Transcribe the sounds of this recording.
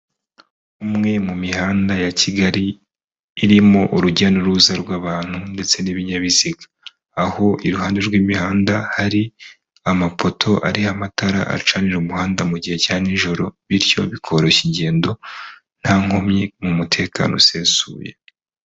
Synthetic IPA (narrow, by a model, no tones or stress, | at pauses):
umŋe̞mumiɦaːndajacʰiɡaɾiː | ɾimoʔuɾuɟanuɾuzaɾɡwaːβaːn̥hunde̞t͡se̞niβiɲaβiziɡaː | ho̞ʔiɾuɦaːnde̞ɾɡwiːmihaːndahaɾi | amapo̞tʰo̞ʔa̰ɾihamataɾa̰ʔa̰t͡ʃaniɾumuɦaːndamuɟihe̞caːniɲʒo̞ɾo̞βiɾjo̞̰βikʰo̞ɾo̞ʃiɲɟe̞ːndo̞ | n̥haːŋ̥homɲemumutʰe̞ːkʰa̰ːno̞̰seːnsṵːje̞̰